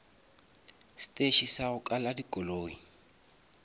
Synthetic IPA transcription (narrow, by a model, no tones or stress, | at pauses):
si̥tʼeʃisaɣʊkʼaladikʼɔloːŋi